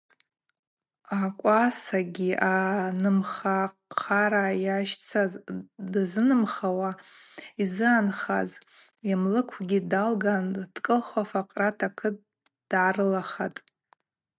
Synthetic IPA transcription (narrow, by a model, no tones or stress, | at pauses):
akʷʼasaɡʲiʔanɨmχaqʰaɾajaʃt͡sʰadzɨnɨmχawa | izɨanχa̰z | jamlɨkʷʰɡʲidalɡand̥kʼɨlχafaqʼratʰakʰɨt̚ʼ | d̥ʕarɨlaχatʼ